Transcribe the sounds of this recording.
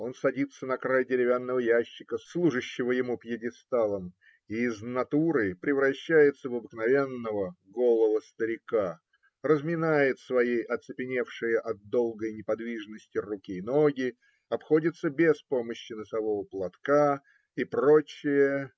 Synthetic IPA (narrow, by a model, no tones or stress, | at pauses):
o̞nsɐdʲit̪sənɐkɾajdʲɪɾʲɪvʲanːəvəjæɕːɪkəslˠuʐɨɕːɪvəjɪmupjɪdʲɪst̪alˠəm | iːznɐt̪uɾɨpɾʲɪvɾɐɕːæjɪt̪səvəbɨknɐvʲe̞nːəvə | ɡo̞lˠəvəst̪əɾʲɪka | rəzmʲɪnajɪt̪svɐjejʔɐt̪sɨpʲɪnʲe̞fʂɨjəʔɐt̪̚d̪ːo̞lˠɡəjnʲɪpɐd̪vʲiʐnəsʲtʲɪrukʲiːno̞ɡʲɪ | ɐpxo̞dʲɪt̪sːəbʲespo̞məɕːɪnəsɐvo̞vəplˠɐt̪ka | ipɾo̞t͡ɕːɪjə